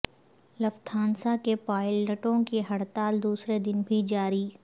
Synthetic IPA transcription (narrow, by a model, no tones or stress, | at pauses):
lɐft̪ʰãːnsakepaːɪlnɐʈõkeɦɐɽt̪aːld̪uːsɾed̪ɪnbʱid͡ʒaːɾiː